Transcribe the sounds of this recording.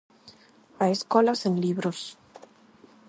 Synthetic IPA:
aeskolasenliβɾos

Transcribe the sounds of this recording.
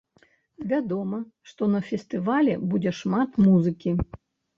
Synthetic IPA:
vʲad̪ɔmɐʂt̪ɔnɐfʲɛst̪ɨvalʲɛbud͡zʲɛʂmat̪muzɨkʲi

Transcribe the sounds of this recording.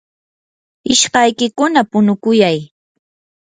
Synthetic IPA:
ɪʃɢɑjkɪkʊnapʊnʊkʊjaj

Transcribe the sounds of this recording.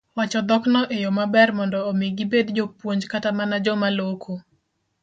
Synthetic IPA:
wat͡ʃɔd̪ɔknɔʔejomabɛrmɔndɔːmeɡibed̪d͡ʒopwoɲd͡ʒkatamanad͡ʒɔmalokʰo

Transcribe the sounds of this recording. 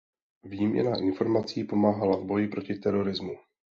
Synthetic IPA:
viːmɲɛ̰naʔɪnfo̞ɾmat͡siːpo̞maːɦalavbo̞jɪpɾo̞cɪt̪ɛɾo̞ɾɪzmu

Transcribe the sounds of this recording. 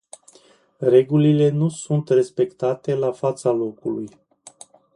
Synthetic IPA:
re̞ɡulile̞nusunt̪re̞spe̞kt̪at̪e̞lafat̪salo̞kuluj

